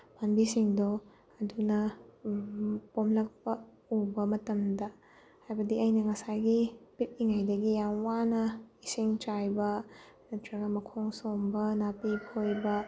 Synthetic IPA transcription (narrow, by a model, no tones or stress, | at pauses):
panbisiŋdo | ɐdunɐ | pomlɐk̚pɐ | ubɐmɐtɐmdɐ | hajbɐdiɐjnɐŋɐsajɡipit̚iŋajdɐɡijamwanɐisiŋt͡ʃajbɐ | ɐtɾɐɡɐmɐkʰoŋsombɐnapipʰojbɐ